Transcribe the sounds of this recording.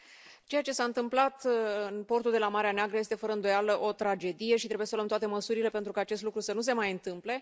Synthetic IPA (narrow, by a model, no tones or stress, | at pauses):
t͡ʃe̞jat͡ʃe̞saɨnt̪ɨmplat̪ɨnpo̞rt̪uld̪e̞lamaɾeaneaɡɾəjest̪e̞fəɾəɨnd̪o̞jaləʔo̞t̪ɾad͡ʒe̞d̪ije̞ʃit̪ɾe̞buje̞səloəmt̪wat̪e̞məsuɾile̞pent̪ɾukaːt͡ʃe̞st̪lukɾusənus̬e̞majɨnt̪ɨmple̞